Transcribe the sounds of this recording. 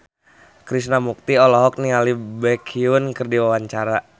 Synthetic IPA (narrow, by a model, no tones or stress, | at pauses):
kɾisnamuk̚t̪iɔlɔɦɔk̚niŋalibɛkʰiunkərdiwawaɲt͡ʃaɾa